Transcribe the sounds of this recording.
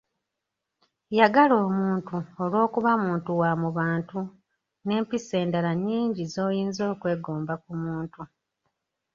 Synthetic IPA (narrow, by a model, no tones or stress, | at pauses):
jaɡalo̞ːmuːntuolwo̞ːkuβamuːntuwamuβaːntu | ne̞ːmpise̞ːndalaɲːiːɲɟizo̞ːjiːnzo̞ːkwe̞ːɡo̞ːmbakumuːntu